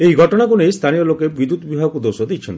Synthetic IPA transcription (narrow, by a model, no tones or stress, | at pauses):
ieiɡʱɔʈɔɽ̃akunest̪ʰanijɔlokebid̪ut̪bibʱaɡɔkud̪osɔd̪ijt͡ʃʰɔnt̪i